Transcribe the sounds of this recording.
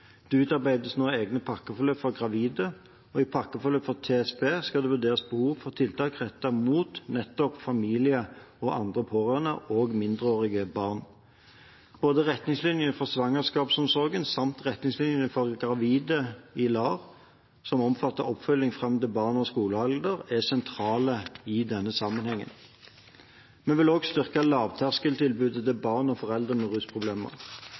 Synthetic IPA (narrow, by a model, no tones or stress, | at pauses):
d̪̥ʉʉːt̪ɑʁbæɪd̪əsnoːeːɡnəpʰɑkːəfɔʁløːpfɔʁɡʁɑʋiːd̪ə | ɔɪpʰɑkːəfɔløːpfɔʁt̪ʰeːɛspeːskɑd̪ɛːʋʉʁd̪eːʁəsbəhuːʋfɔʁt̪ʰɪlt̪ʰɑːkʁɛt̪ːəmuːt̪nɛt̪ːɔpfɑmiːlɪəɔʔɑ̰nd̪ʁəpʰoːʁənə̰oːɡmɪnd̪ʁəoːʁɪɡəbɑʁn | b̥oːd̪əʁɛt̪nɪŋslɪnjəfɔʁsʋɑŋəskɑːpsʊmsɔʁɡənsɑmt̪ʁɛt̪nɪŋslɪnjəfɔʁɡʁɑʋiːd̪əɪlɑːʁ | sɔmɔmfɑt̪ːəʁɔpːfœlːɪŋfʁɛmːɔt̪ɪlbɑːʁnɔskuːləɑld̪əʁɛsɛnt̪ʰɾɑːləɪd̪ɛnːəsɑmɑnhɛŋːə̰n | mɛnʋɪloːɡst̪ʏʁkɑlɑːʋt̪ʰæʁskəlt̪ʰɪlbʉːd̪ət̪ɪbɑːʁnɔfɔʁɛld̪ʁənəʁʉspʰʁʊbleːmə̰ʁ